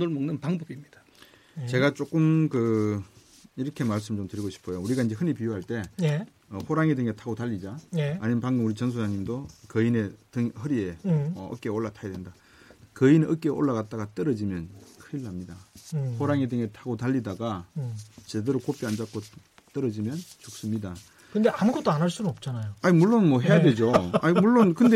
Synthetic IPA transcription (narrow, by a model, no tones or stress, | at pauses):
noɭmɯŋnɯnpaŋbʌbimɲid̥ḁ | t͡ɕe̞ɡat͡ɕ͈ok͈ɯmkɯ | iɾʌkʰe̞maɭs̬͈ɯmt͡ɕomtɯɾiɡoɕʰi̥pʰojouɾiɡaind͡ʑe̞hɯnipijoɦaɭt͈e̞j | ʌɸoɾaŋedɯŋetʰaɡotaʎːid͡ʑaːɲimenpaŋɡɯuɾit͡ɕʌns̬ʰod͡ʑaŋɲimdokɯine̞tɯŋhɯɾie̞ʌʌ̰k͈eoɭːatʰajedwenda | kɯineʔʌk͈eʔo̰ɭːaɣat̚t͈aɡat͈ʌɾʌd͡ʑimjʌnkʰɯilːamɲidahoɾaŋedɯŋetʰaɡotaʎːidaɡa | t͡ɕe̞deɾokop͈iand͡ʑak͈o | t͈ʌɾʌd͡ʑimjʌnt͡ɕuk̚s͈ɯmɲida | kɯndeʔamuɡʌt͈oanaɭs͈unnʌp̚t͡ɕ͈anajoaɲimuɭːonmʌɦejade̞d͡ʑoaimuɭːonkɯnde